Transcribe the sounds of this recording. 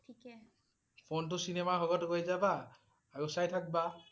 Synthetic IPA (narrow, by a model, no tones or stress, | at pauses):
i | pʰont̬usinemaɦɔɡɔtkojd͡ʒaba | aɹusajtʰak̚ba